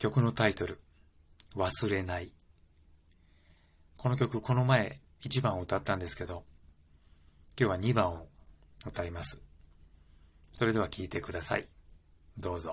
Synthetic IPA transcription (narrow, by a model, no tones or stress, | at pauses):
kʲo̞kɯ̟no̞t̪ait̪o̞ɾɯ̟ | βasɨɾe̞nai | ko̞no̞k̬ʲo̞kɯ̟ko̞no̞mae̞ | it͡ɕibãɯt̪at̪ːãnd̪e̞sɨ̥ke̞d̪o̞ | kʲo̞ːβaɲ̟ibãɰ̃o | ɯ̟t̪aimasɨ̥ | so̞ɾe̞d̪e̞βakʲiːt̪e̞kɯd̪asa̰i | d̪o̞ːzo